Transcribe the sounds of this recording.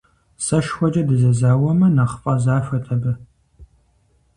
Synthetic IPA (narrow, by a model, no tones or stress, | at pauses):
sɐʃxʷɔd͡ʒʼɐdɨzɐzaːwɐmɐnaːχfʼɐzaːfʷɐtʰɐbɨ